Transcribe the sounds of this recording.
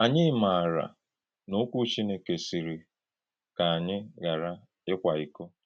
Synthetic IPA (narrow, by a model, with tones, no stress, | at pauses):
a˨ɲɪ˦ma˨a˨ɾa̰˨ | no˦kʷu˦t͡ʃi˦ne˨ke˨si˨ɾi˨ | ka˨ɲɪ˦ɡa˨ɾa˦ | ɪ˦kʷa˨i˨ko˦